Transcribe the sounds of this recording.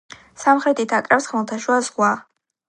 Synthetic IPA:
samχɾɛt̪ʼit̪ʰakʼrawsχmɨlˠt̪ʰaʃwazʁʷwa

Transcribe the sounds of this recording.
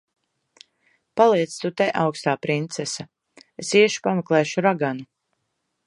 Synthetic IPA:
palˠiɛt̪st̪ut̪ɛʔawkst̪aːpɾint̪sɛsa | esiɛʃi̥pamɛklˠɛːʃuɾaɡanu

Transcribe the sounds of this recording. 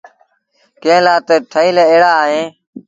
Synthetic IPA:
kẽːlaːt̪eːʈʰəiːleːeːɽaːɦẽː

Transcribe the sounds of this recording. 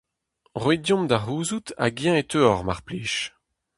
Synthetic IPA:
ʁwedjɔ̃md̪aʁuːzut̪ʰa̰ɡjɛ̃etʰøɔʁmaʁpliːʃ

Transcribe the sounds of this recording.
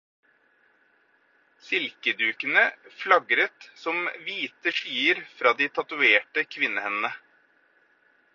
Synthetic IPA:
sɪlkəd̪ʉːkənəflɑɡɾət̪sɔmʋiːt̪əʂyːəɾfɾɑːd̪iːt̪ʰɑt̪ʉeːʈəkʰʋɪnːəhɛnənə

